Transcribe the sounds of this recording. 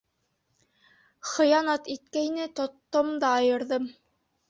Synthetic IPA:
χɤ̆jɑnɑt̪it̪kæjnɘt̪ŏt̪ːomd̪ɑːjɤ̆ɾðɤm

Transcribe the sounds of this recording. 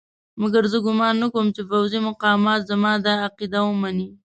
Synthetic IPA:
maɡaɾzəɡʊmɑnːakowəmt͡ʃefawzimʊqɑmɑt̪zamɑd̪ɑːqid̪awəmani

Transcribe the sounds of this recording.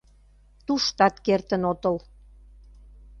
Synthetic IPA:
t̪uʃt̪ɑt̪kert̪ə̆not̪ə̆l

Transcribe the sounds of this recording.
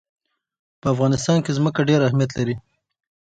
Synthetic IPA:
pəafɣɑnɪst̪ɑnkezməkaɖeɾahmijat̪̬laɾi

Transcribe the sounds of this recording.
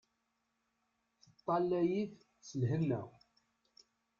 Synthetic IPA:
θət̪ˤːɑlːæjiθ | səlɦənːæ̰

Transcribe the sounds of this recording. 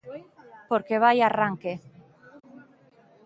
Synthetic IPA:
poɾkeβajaraŋke

